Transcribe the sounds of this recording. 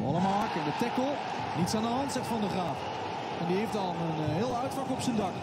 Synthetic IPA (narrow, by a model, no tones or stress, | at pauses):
ɑlˠəmaɦɑkəndətɛkəlˠ | nitsaːndəɦɑntsɛχtfɑndəχraːf | ɛndieftɑlˠnənɦɪːlˠœɥtfɑkɔpsəndɑk